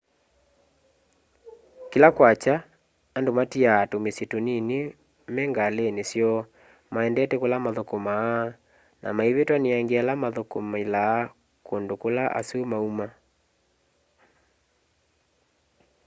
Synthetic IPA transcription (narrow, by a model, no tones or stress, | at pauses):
kelakwat͡ʃaː | ndomatiaːtomesjetonine | mɛŋɡalenesjɔ | maɛndɛtɛkolamaðokɔma | na̰maeβetwaneaŋɡealamaðokomailaː | kondokolaʔa̰somauma